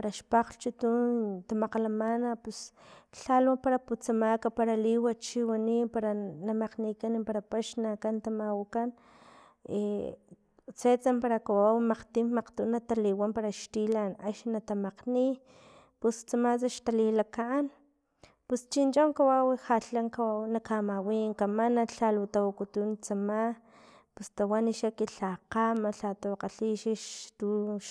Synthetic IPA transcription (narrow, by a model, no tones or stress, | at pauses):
aɾaʃpaqɬt͡ʃut̪unt̪amaqalamanapusɬalapaɾaput͡samakapaɾaliwat͡ʃiwanipaɾanamaqnikanipaɾapaʃnakant̪amawakan | ḛ | t͡set͡sampaɾakawawimaqt̪immaqt̪uʔnat̪aliwampaɾaʃt̪ilanaʃnat̪amaqni | pust͡samat͡saʃt̪alilakaʔːn | pust͡ʃint͡ʃoŋkawawixaɬaŋkawawnakamawiŋkamanaɬalut̪awakut̪unt͡sama | pust̪awaniʃakiɬaqamaɬat̪oqaɬiʃiʃt̪uʃ